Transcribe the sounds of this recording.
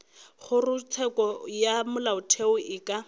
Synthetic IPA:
χʊrʊt͡sʰɛkʼɔjamʊlaʊtʰeʊʔɪːkʼa

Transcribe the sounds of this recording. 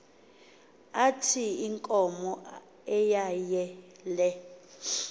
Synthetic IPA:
atʰiiŋkʼɔmɔ | ɛjajɛlɛ

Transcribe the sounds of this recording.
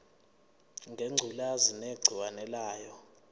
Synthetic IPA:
ŋɡʱeŋ͡ǀʱulazineɡ͡ǀʱiwanɛlaːjɔ

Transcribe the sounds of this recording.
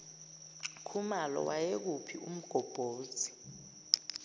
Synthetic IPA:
kʰumalɔ̰wajek̬upʰiṵm̩ɡ̥ʱɔb̥ʱoːtʰi̥

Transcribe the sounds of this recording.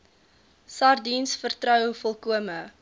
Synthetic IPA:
sɐrdinsfərtrœwfɔlˠkuəmə

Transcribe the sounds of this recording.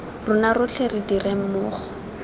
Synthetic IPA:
rʊnarʊt͡ɬʰerɪdirem̩mʊːχɔ̥

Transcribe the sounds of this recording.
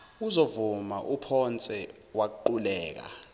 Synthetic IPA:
uzovumaʔupʰɔnt͡sʼɛ | wak̬uǃulɛːk̬a̰

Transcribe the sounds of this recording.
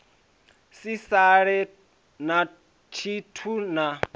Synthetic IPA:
sisaɺɛ | na | t͡ʃʰitʰuna

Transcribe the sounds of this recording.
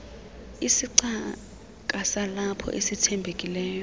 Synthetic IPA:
isiǀa | k̬ʼasalapʰɔ̰ʔesitʰɛmbʱekʼilɛːjɔ

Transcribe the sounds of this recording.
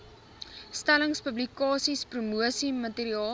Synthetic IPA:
stæləŋspəblikɑːsisprumuəsimɐtiːɾiɑː

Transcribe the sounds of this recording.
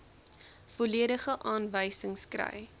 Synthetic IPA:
foliədəχəʔɑːnvəjsəŋskrə̰j

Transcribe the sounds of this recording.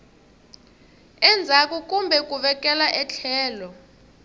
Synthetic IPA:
ɛnd͡zʱak̬ʼuk̬ʼumbʱɛk̬ʼuɓɛk̬ʼɛlaʔɛt͡ɬʰɛːlɔ

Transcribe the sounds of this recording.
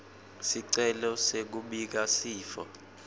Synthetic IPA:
siǀɛlɔsek̬uɓik̬asiːfɔ̰

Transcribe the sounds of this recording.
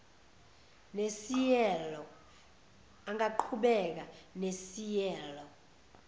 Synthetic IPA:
nesijɛlɔ | aŋaǃʰuɓɛk̬anesijɛːlɔ

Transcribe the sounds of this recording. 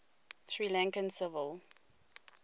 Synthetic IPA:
ʃɹilãŋkə̃nsɪvəlˠ

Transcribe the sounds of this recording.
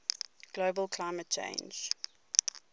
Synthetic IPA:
ɡ̥loʊbəlˠkʰl̥aɪmət̚t͡ʃʰḛ̃ɪ̃nd͡ʒ

